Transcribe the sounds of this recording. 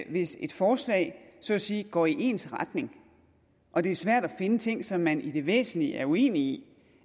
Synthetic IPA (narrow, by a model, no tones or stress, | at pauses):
ʋe̝se̝d̥fɒːslɛ̰ɪsɒ̽siːɡ̥ɒ̰ːiʔe̝̰ːnsʁɑd̥ne̝ŋ | ʔɒ̽d̥e̝æɐsʋæɐ̰d̥æfe̝nət͡sʰe̝ŋ̰sɒ̽mːænʔid̥e̝ʋḛːsn̩liæɐue̝̰ːni